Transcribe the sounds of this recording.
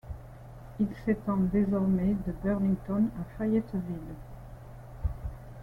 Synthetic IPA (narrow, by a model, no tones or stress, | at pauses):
ilset̪ɑ̃d̪ezɔʁmed̪əbœʁnĩŋɡt̪ɔnafajɛt̪vil